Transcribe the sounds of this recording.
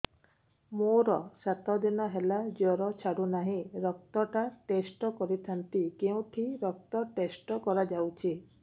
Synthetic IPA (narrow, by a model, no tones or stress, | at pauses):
moɾɔsat̪ɔd̪inɔɦelad͡ʒɔɾɔt͡ʃʰaɽunaɦĩɾɔk̚t̪ɔʈaʈesʈɔkɔɾit̪ʰant̪ikeũʈʰiɾɔk̚t̪ɔʈesʈɔkɔɾad͡ʒawt͡ʃʰi